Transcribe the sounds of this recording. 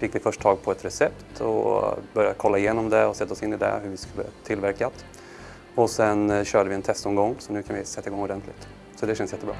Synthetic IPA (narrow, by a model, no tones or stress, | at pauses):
fɪkːvɪfœʂʈt̪ʰɑːɡ̚pʰɔɛt̪ɾɛsɛpt̪ʰɔ̰bœɾjakʰɔlːaɪjeːnɔmd̪ɛɔsɛt̪ːaɔsɪnːɪd̪ɛ̰ɦɵɾvɪskɵlːə̰t̪ʰɪlvæɾklat̪ | ɔsɛnɕœːɖəvɪɛnt̪ʰɛst̪ɔmɡɔŋːsɔnʉ̟ːkʰanvɪsɛt̪ːaɪɡɔŋːɔɖɛnt̪ʰlɪɡ̚t̪ | sɔd̪ɛʃɕɛnsjɛt̪ːəbɾɑ̰ː